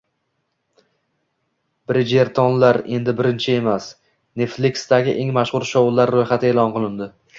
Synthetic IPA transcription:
b̥ɪɾɪd͡ʒeɾt̪ʰɒnlaɾe̞nd̪ɪbɪɾɪnt͡ʃʰɪe̞mas | ne̞flikʲsd̪aɡʲɪʔe̞ŋmaʃʁʊɾʃɒwʊlˠːaɾːojχat̪ʰɪeːlˠɒnqʰɨlˠɪnd̪ɪ

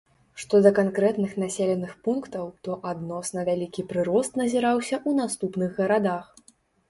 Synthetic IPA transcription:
ʂt̪ɔd̪ɐkankɾɛt̪nɨxnasʲelʲɛnɨxpunkt̪ɐwt̪ɔʔad̪nɔsnɐvʲalʲikʲipɾɨɾɔst̪nɐzʲiɾawsʲɐʔunast̪upnɨɣɣɐɾad̪ax

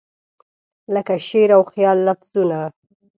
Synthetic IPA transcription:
ləkaʃeɾawxjɑlːafz̥una

